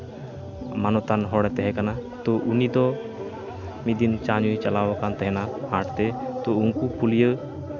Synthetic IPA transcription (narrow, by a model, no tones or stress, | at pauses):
manɔt̪anɦɔɽɛt̪ɛɦɛkanat̪ɔʔunid̪ɔ | mid̪int͡ʃaɲut͡ʃalaakant̪ɛɦɛnahaʈt̪ɛt̪ɔuŋkupʰulijə